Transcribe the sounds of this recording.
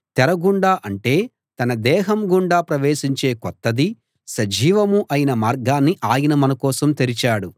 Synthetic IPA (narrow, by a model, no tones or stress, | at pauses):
t̪ɛɾɐɡuɳɖaːʔɐɳʈe̞ː | t̪ɐnɐd̪ɛːɦɐmɡuɳɖaːpɾɐʋe̞ːʃiɲt͡ʃe̞ːkɔt̪ːɐd̪i | sɐd͡ʒiːʋɐmuʔɐjinɐmaːɾɡaːnːiʔaːjinɐmɐnɐkɔːsɐmt̪eɾit͡ʃaːɽu